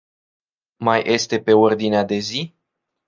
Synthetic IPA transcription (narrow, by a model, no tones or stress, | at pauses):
majʔe̞st̪e̞pe̞o̞rd̪inead̪e̞zi